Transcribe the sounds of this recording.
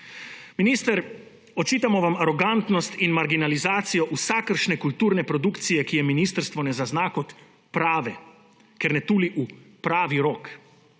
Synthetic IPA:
minist̪əɾ | ɔt͡ʃiːt̪amɔʋamaɾɔɡant̪nɔst̪inmaɾɡinalizaːt̪sijɔʔusakəɾʃnɛkult̪uːɾnɛpɾɔd̪ukt̪sijɛkijɛminiːst̪əɾst̪ʋɔnɛzaznaːkɔt̪ | pɾaːʋɛ | kɛɾnɛt̪uːliʔupɾaːʋiɾɔk

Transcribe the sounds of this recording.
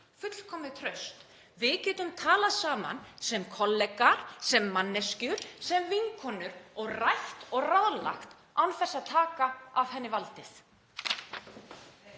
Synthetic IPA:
fʏt̪l̥kʰɔːmɪðt̪ʰɾœɥst̪ | vɪðcɛːt̪ʏmt̪ʰaːlasaːma̰nsɛmkʰɔlːɛkaɾ̥sɛmːanːɛscʏɾ̥sɛmvɪŋkʰɔːnʏɾɔɣrajht̪ɔɣraðla̰xt̪ | awnθɛsːaðt̪ʰaːkaav̥hɛnːɪvalt̪ɪθ

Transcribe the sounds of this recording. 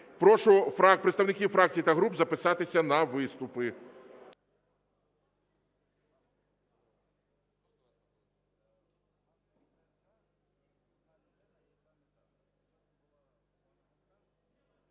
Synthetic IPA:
pɾɔʃʊfɾapɾet̪ɐwnɪkʲifɾak̚t͡sʲijit̪ɐɦɾubzɐpɪsɑt̪ɪsʲɐnɐʋɪst̪ʊpɪ

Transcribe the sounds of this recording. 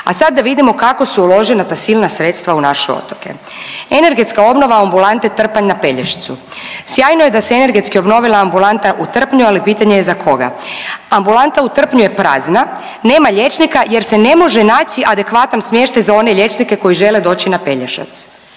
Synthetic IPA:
a̰sad̪̚ːaʋid̪imo̞kako̞suulo̞ʒenat̪asilnasɾet̪st̪ʋaunaʃeo̰t̪oke̞̰ | e̞ne̞ɾɡe̞t̪skao̞bno̞ʋaambulˠant̪et̪r̩paɲnape̞ʎeʃi̥t̪susjaːjnoje̞d̪aseene̞ɾɡe̞t̪skio̞bno̞ʋilˠaːmbulˠant̪aʔut̪r̩pɲualipiːt̪aɲejezakʰo̞ɡa̰ambulant̪aut̪r̩pɲuje̞pɾa̰ːzna | ne̞ːmaʎe̞t͡ʃnikaje̞ɾsene̞mo̞ʒenaːt͡ɕiʔad̪e̞kʋat̪ansmje̞ʃt̪ajzao̞ne̞ʎe̞t͡ʃnike̞ko̞jiʒe̞led̪o̞ːt͡ɕinape̞ʎeʃa̰t̪s

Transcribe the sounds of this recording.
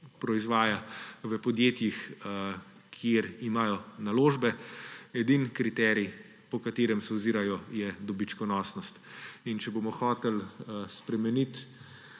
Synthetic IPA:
pɾɔizʋaːjaʋəpɔd̪jeːt̪jix | kʰjeɾimaːjɔnaloːʒbɛɛd̪inkɾit̪ɛːɾi | pɔkat̪eːɾɛmsɛwziːɾajɔjɛd̪ɔbit͡ʃkɔnɔːsnɔst̪int͡ʃɛboːmɔxɔːt̪ɛlspɾɛmɛnit̪

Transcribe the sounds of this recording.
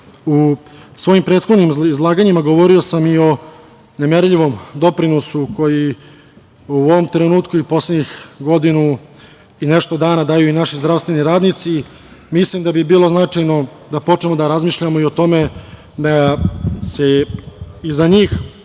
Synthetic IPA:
usʋo̞jimpɾeːt̪xo̞d̪nimizlˠaːɡaɲimaɡo̞ʋo̞ɾio̞samio̞ | nemeɾʎiʋo̞md̪o̞pɾinosuko̞ji | uoʋo̞mt̪ɾe̞nuːt̪kuipo̞slˠed̪ɲixɡo̞d̪inu | ineʃt̪o̞d̪aːnad̪ajuinaʃizd̪ɾaʋst̪ʋe̞niɾaːd̪nit̪si | mislimd̪abibiːlˠo̞znat͡ʂajno̞ | d̪apo̞t͡ʂnemo̞d̪aɾazmiːʃʎamo̞io̞t̪o̞me̞ | d̪a | se | izaɲiːx

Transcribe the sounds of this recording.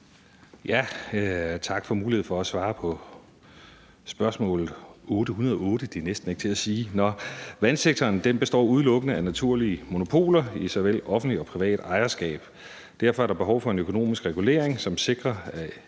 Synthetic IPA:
jæ | t͡sʰɑ̈ɡ̥fɒ̽muːlihe̝ð̩̰ˠfɒ̽æsʋɑ̈ːpʰɒ̽ | sb̥ɶɐsmɔ̰̽ːlð̩ˠɔːɾ̥əhunɐð̞ˠɒɔ̽ːɾəd̥enesd̥n̩e̝ɡ̥t͡sʰe̝æsiːnɒʋænseɡ̥̚t͡sʰɒːnd̥emb̥e̝sd̥ɒ̰ːuð̞ˠlɔ̽ɡ̥ənəænæt͡sʰuɐ̰liəmo̝no̝pʰo̝̰ːlɐisɒʋel̰ɒ̽fn̩d̥liɒ̽pʰʁiʋɛ̰ːd̥ɑ̈ɪɐsɡ̥ɛ̰ːb̥ | d̥æɐfɒ̽æɐɾ̥ɑ̈b̥e̝ɦɒʊfɒ̽e̝nøkʰo̝no̝̰ːmisɡ̥ʁɛɡ̥ule̝̰ɐ̰eŋsɒ̽mse̝ɡ̥ʁɐæ

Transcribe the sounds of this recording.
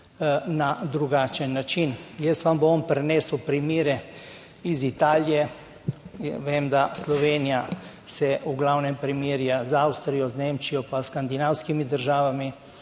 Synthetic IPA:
nad̪ɾuɡaːt͡ʃɛnːat͡ʃinjɛst̪ʋambɔnpɾɛnɛːsəwpɾimiːɾɛ | izit̪aːlijɛ | ʋeːmd̪aslɔʋeːnija | sɛuɡlawnɛmpɾimiːɾjazawst̪ɾijɔzneːmt͡ʃijɔpaskand̪inawskimid̪əɾʒaːʋami

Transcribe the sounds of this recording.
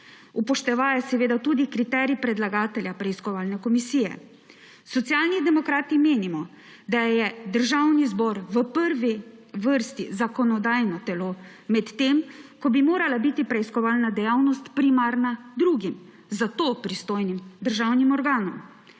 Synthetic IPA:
upɔʃt̪ɛʋajɛsɛʋeːd̪at̪uːd̪ikɾit̪ɛɾjipɾɛd̪laɡaːt̪ɛljapɾɛiskɔʋaːlnɛkɔmisiːjɛ̰ | sɔt̪sjaːlnid̪ɛmɔkɾaːt̪imeːnimɔ | d̪ajɛd̪əɾʒawnizbɔɾʋəpəɾʋiʋəɾst̪izakɔnɔd̪aːjnɔt̪ɛloː | mɛt̪ːemkɔbimoːɾalabiːt̪ipɾɛiskɔʋaːlnad̪ɛjawnɔst̪pɾimaːɾnad̪ɾuːɡim | zat̪opɾist̪oːjnimd̪əɾʒawnimɔɾɡaːnɔm

